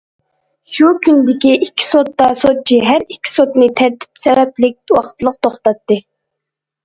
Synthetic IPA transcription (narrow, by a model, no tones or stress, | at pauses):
ʃukʲʰynd̪ɪkʲiʔikʲʰːi̥sot̪ːɑsot͡ʃʰiɦæɾikʲʰːi̥sot̪nɨt̪ʰæɾt̪ʰi̥psɛvɛplɪk̚ʲd̪̥uwɑχt̪ʰlˠəq̚t̪ʰoχt̪ɑt̪ːɨ